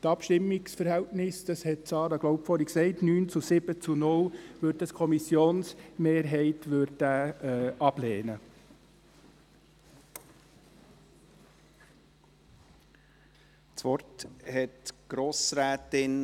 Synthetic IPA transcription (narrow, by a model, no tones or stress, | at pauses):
tɑpʃtɪmːɪksfəɾhɛltnɪsd̥ɑshɛt̚t͡sɑːɾɑɡ̥lɔwpfɔɾiksɛɪtnyːnt͡susɪb̥ət͡sunʊlʋøɾ̚d̥ɑskʰɔmisjoːnsmeːɾɦɛɪtʋʏɾtæːʔɑb̥leːnə | t͡sʋɔɾthɛtɡ̥ɾoːsɾæːtɪn